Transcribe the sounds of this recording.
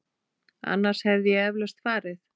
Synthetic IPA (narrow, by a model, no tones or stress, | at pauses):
a̰nːaɾ̥shɛvðjɛɛvlɛst̪faːɾɪθ